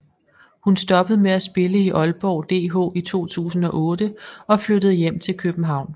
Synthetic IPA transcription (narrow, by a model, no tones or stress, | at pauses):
hunsd̥ɒ̽b̥əð̩ˠmeæsb̥e̝ləiʔɒ̽lb̥ɒʊd̥e̝̰ːkɔ̰ːit͡sʰo̝̰ːt͡sʰṵːsn̩ɒ̽ʔɔ̽ːd̥əɒ̽flødəð̩ˠjem̰t͡sʰe̝lkʰøb̥n̩ɦɑ̈ʊ̰n